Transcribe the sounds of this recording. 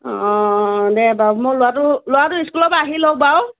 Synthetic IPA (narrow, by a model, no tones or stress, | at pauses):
ɔdebawmolʊwatʊlʊwatʊiskulɔpaɦilok̚baw